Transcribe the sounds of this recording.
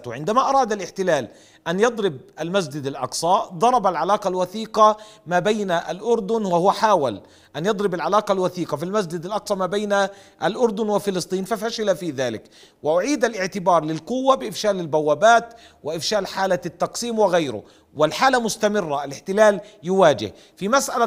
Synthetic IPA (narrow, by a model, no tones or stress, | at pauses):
t̪ʕɪnd̪amaʔɑɾˤɑːd̪alʔɪħt̪ɪlaːl | ʔanjɑd̪ˤɾɪb̚ʔalmas̬d͡ʒɪd̪alʔɑ̰qsˤɑd̪ˤɑɾˤɑbalʕalaːqɑlwaθiːqɑmaːbajnaʔalʔʊɾˤd̪ʊnwahʊwaħaːwa̰l | ʔanjɑd̪ˤɾɪbalʕalaːqɑlwaθiːqɑfilmas̬d͡ʒɪd̪alʔɑqsˤɑmaːbajnaʔalʔʊɾd̪ʊnwɪfɪlɨsˤt̪ˤiːnfafaʃɪlafiːðaːlɪ̰k | wɪʔʊʕiːd̪alʔɪʕt̪ɪbɑːɾˤlɪlqʊwːabɪʔɪfʃaːlɪlbawːaːbaːt̪ | wɪʔɪfʃaːlħaːlat̪ːɑqsiːmwɪɣajɾʊ̰ | wɪlħaːlamʊst̪amɪrːaʔalɪħt̪ɪlaːljʊwaːd͡ʒɪ̰h | fimasʔala